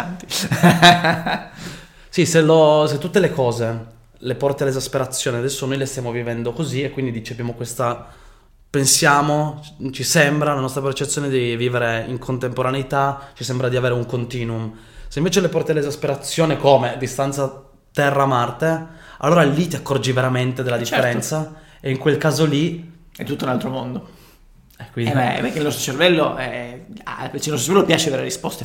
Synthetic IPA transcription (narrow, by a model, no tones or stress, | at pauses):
t̪ | siseloset̪ːut̪ːelekɔːze | lepɔrt̪ealːezaspeɾat̪sːjoːnead̪ɛsːonojlest̪jaːmovivɛnd̪okoziekwind̪id̪it͡ʃapjamokwest̪a | pensjaːmot͡ʃisɛmbɾalanɔst̪ɾapert͡ʃet̪sːjoːned̪iviːveɾeiŋkʰont̪empoɾanejt̪at͡ʃisɛmbɾad̪iaveːɾeuŋkont̪iːnum | seĩɱveːt͡ʃelepɔrt̪ialːezaspeɾat̪sːjoːnekoːmed̪ist̪ant̪sa | t̪ɛrːamart̪ea̰lːoːɾalit̪iakːɔrd͡ʒiveɾament̪ed̪elːad̪ifːeɾɛnt̪sa | eiŋkwelkaːzoli | ɛt̪ːut̪ːounalt̪ɾomond̪o | ɛkːwinɛɛ̰pekːeilnɔst̪ɾot͡ʃervɛlːo̰ɛapelt͡ʃlnɔst̪oeɾvɛlopjaːt͡ʃeaveːɾeeɾispɔst̪e